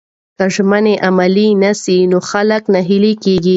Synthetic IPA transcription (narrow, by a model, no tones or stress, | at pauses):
kaʒmaneʔamalinasinoxaləknaɦilekeɡi